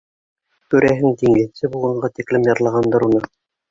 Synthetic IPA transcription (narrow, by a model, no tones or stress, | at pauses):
kʉɾʔæɦɘŋt̪iŋɡɘ̆nsɘbulˠʁɑɴɢɑt̪iklɘmjɑɾlˠɑʁɑnd̪ɑɾunɤ